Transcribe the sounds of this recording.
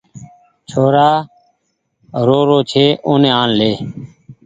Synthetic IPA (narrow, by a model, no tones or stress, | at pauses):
t͡ʃʰoːɾaː | ɾoːɾoːt͡ʃʰeːʔõːneːaːnleː